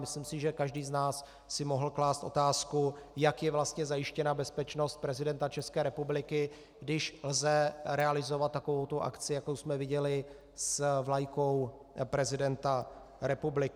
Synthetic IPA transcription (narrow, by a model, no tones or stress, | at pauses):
mɪslimsɪʒɛkaʒdiːznaːsː | ɪmo̞ɦl̩klaːst̪ʔo̞̰t̪aːskujakjɛvlast̪ɲɛzajɪʃcɛnabɛspɛt͡ʃno̞st̪̚pɾɛzɪdɛnt̪at͡ʃɛskɛːɾɛpublɪkɪ | ɡdɪʃlzɛɾɛalɪzo̞vat̪̚ːako̞vowt̪oʔa̰kt͡sɪjakowsmɛvɪɟɛlɪ | svlajko̞w | pɾɛzɪdɛnt̪a | ɾɛpublɪ